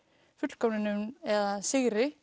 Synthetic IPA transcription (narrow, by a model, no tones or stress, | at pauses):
fʏt̪l̥kɔpnɪnʏmɛðasɪɣɾɪ